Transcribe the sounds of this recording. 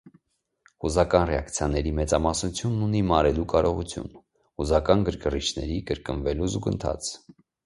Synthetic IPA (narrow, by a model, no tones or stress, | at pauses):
huzɑkɑnrɛɑkt͡sʰjɑnɛɾimɛt͡sɑmɑsnut͡sʰjunːunimɑɾɛlukɑɾɔʁut͡sʰjṵn | huzɑkɑnɡəɾkərit͡ʃʰnɛɾikəɾkənvɛluzuɡənt̪ʰɑ̰t͡sʰ